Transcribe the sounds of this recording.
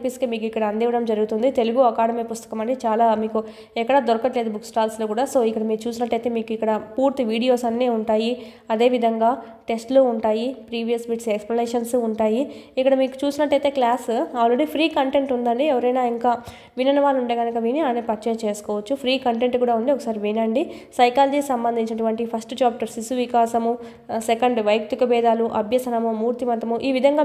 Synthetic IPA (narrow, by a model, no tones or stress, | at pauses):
piskemiːkuikːɐɽɐɐnd̪iːʋɐɽɐmd͡ʒɐɾuɡut̪und̪it̪e̞luɡuɐkaːɽɐmepust̪ɐ̥kɐmɐɳɖit͡ʃaːlaːmiːku | ɛkːɐɽɐd̪ɔɾɐkɐʈle̞ːd̪ubuksʈaːlsloːkuːɽaːso̞ːikːɐɽɐmiːut͡ʃuːsinɐʈːɐjt̪e̞ːmiːkuikːɐɽɐpuːɾt̪iʋiːɽijo̞ːsɐnːeːuɳʈaːji | ɐd̪e̞ːʋid̪ʱɐŋɡaː | ʈe̞sʈloːuɳʈaːjipɾiːʋijɐsbiʈseksplɐneːʂɐnsuɳʈaːjiikːɐɽɐmiːku̥t͡ʃuːsinɐʈːɐjt̪e̞ːklaːsaːlɾeɽipʰɾiːkɐɳʈe̞ɳʈund̪ɐɳɖiɛʋɐɾɐjnaːiŋkaː | ʋinɐnɐʋaːluɳʈeːɡɐnɐkɐʋiːniaːnepɐɾt͡ʃɛːjɐt͡ʃe̞ːsu̥kɔːʋɐt͡ʃːupʰɾiːkɐɳʈe̞ɳʈkuːɽaːund̪iɔkɐ̥saːɾiʋiːnɐɳɖisɐjkaːlɐd͡ʒiːksɐmbɐnd̪ʱiɲt͡ʃinɐʈuʋɐɳʈipʰɐsʈt͡ʃaːpʈɐɾsisuʋikaːsɐmu | sekɐɳɖʋɐjk̚t̪ukɐbɛːd̪aːluʔɐbʱjɐsɐnɐmumuːɾt̪imɐt̪ːɐmuʔiːʋid̪ʱɐŋɡaː